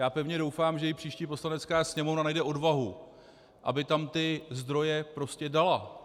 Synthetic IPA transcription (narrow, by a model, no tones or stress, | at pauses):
jaːpɛvɲɛdo̞wfaːmʒɛjɪpr̝̥iːʃciːpo̞slanɛt͡skaːsɲɛmo̞vnanajdɛʔo̞dvaɦu | ʔa̰bɪt̪amt̪ɪzd̪ɾo̞jɛpɾo̞scɛdala